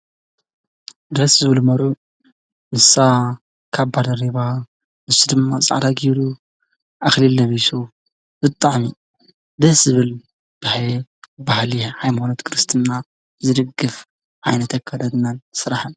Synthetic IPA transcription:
d̪ɾɐszɨβɨlumɐɾʕu | ʔɨsa | kʰaβbad̪ɐɾiβa | ɨsud̪ɨmːat͡sʼa̰ʕd̪aɡiɾu | ʔaxlilːɐβijsu | bɨt̪ʼːaʕmi | d̪ɐszɨβɨl | b̥ahabahliħajmanot̪kʰɨɾɨst̪ʰɨnːa | zɨd̪ɨɡɨf | ʕajnɐt̪ʰɐkʰːad̪ad̪ɨnːansɨɾaħan

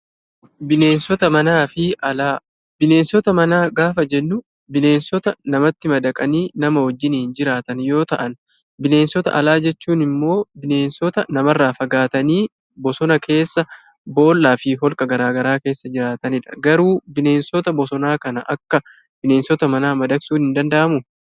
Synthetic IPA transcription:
bɪne̞ːnsɔt̪ɐmɐnaːfɪɐlː | bɪne̞ːnsɔt̪ɐmɐnaːɡaːfɐd͡ʒɛnːʊ | bɪne̞ːnsɔt̪ɐnɐmɐt̪ːɪmɐd̪ɐkʼɐniːnɐmɐwɐd͡ʒːɪnɪnd͡ʒɪɾaːt̪ɐnjo̞ːt̪ɐʔɐn | bɪne̞ːnsɔt̪ɐ̰ʔɐlaːd͡ʒɛt͡ʃːuːnɪmːo̞ːbɪne̞ːnsɔt̪ɐnɐmɐrːaːfɐɡaːt̪ɐniː | bɔsɔnɐkʰe̞ːsːɐ | bo̞ːlːaːfɪɦɔlkʼɐɡɐɾaːɡɐɾaːke̞ːsːɐd͡ʒɪɾaːt̪ɐnɪᶑɐ̥ɡɐɾuːbɪne̞ːnsɔt̪ɐbɔsɔnaːkɐnɐʔɐkːɐ | b̥ɪne̞ːnsɔt̪ɐmɐnaːmɐd̪ɐksuːnhɪnd̪ɐnd̪ɐʔɐmʊ

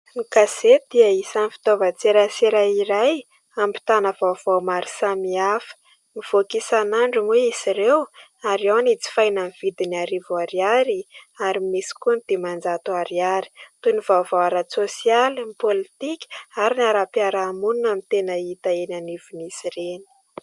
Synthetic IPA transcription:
nikazed̪iaisanifi̥t̪ovət͡seɾaseɾaiɾaj | ampi̥t̪anəv̥av̥owmaɾisamiafə̥ | miv̥okisanaɳɖ͡ʐumeisiɾew | aɾiawnit͡si̥fajnamiv̥id̪iniaɾivuaɾiaɾiaɾimisi̥kund̪̥emand͡zat̪uaɾiaɾi̥t̪univ̥avowaɾat͡sosialimpolit̪ikʲi̥aɾinaɾapiaɾaːmununamit̪enəit̪aenanivinisireni̥

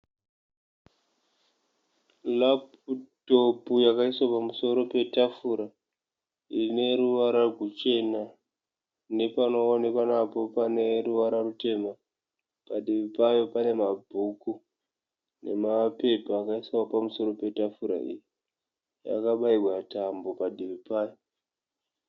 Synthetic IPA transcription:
lap | uto̞pujakaiswapamuso̞ɾo̞pe̞tafuɾa | ine̞ɾuʋaɾarɡut͡ʃe̞na | ne̞panonekanapo̞pane̞ruʋaɾarute̞ma | paɗiʋipajo̞pane̞mabʱuku | ne̞̰mape̞paːkaisaopamuso̞ɾo̞pe̞tafuɾa̰ḭːji | ja̰kaɓaiwatambo̞padʱiβipaːjo

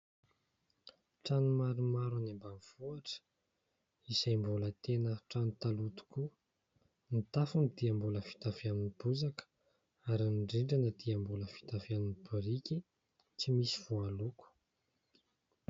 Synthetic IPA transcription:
ʈ͡ʂanumaɾumaɾanembaniv̥uaʈ͡ʂə̥ | isajmbulət̪enəʈ͡ʂanut̪alut̪u̥ku | nit̪afunid̪iambuləfi̥t̪afiaminib̥uzakə̥ | aɾinɳɖ͡ʐiɳɖ͡ʐanəd̪̥iambuləfi̥t̪afaminibuɾikʲi | t͡simisi̥v̥ualuku̥

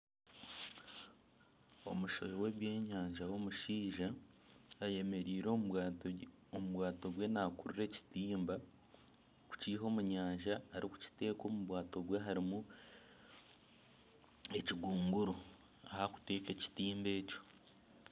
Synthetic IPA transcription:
o̞muʃojowe̞ːβje̞ːɲaːɲʒawo̞muʃiːʒaː | je̞me̞ɾiːɾo | omuβwaːto̞βwe̞nakuɾuɾe̞ːci̥tiːmba | ku̥ciːɦo̞ːmuɲaːɲʒaːɾʔiku̥ci̥te̞ːko̞ːmuβwaːto̞βweɦaɾimu | e̞ciɡuːŋɡuɾo | ahaku̥te̞ːke̞ci̥tiːmbe̞ːco̞̥

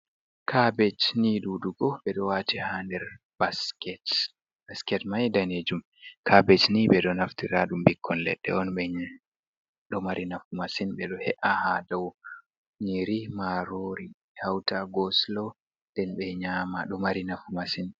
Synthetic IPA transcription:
kʰabɛt͡ʃniduːduɡɔɓɛɗɔwatihandɛɾ | baskɛt | baskɛtmajdaned͡ʒum | kʰabɛt͡ʃnibɛɗɔnaftiɾaɗumbikʰːɔnlɛ̰ɗːɛ̰ɔnɓɛɲ | ɗɔmaɾinafumasinɓɛɗɔhɛʔahadaw | ɲiɾimaɾoɾi | hawtaɡɔslɔ | dɛnɓɛɲaːmaɗɔmaɾinafumasin

